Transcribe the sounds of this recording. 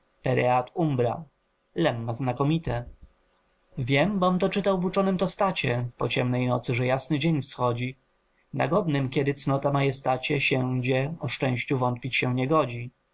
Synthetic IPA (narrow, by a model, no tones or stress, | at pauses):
pɛɾɛat̪umbɾa̰ | lɛmːaznakɔmʲit̪ɛ | vʲjɛmbɔmt̪ɔt͡ʂɘt̪awvut͡ʂɔnɘmt̪ɔst̪at͡ɕɛpɔt͡ɕɛmnɛjnɔt̪sɘʐɛjasnɘd͡ʑeɲfsxɔd͡ʑi | na̰ɡɔd̪nɘmkʲɛd̪ɘt̪snɔt̪amajɛst̪at͡ɕɛɕɛd͡ʑɛɔʂt͡ʂɛ̃w̃ɕt͡ɕuvɔnt̪̚pʲit͡ɕɕɛɲɛɡɔd͡ʑi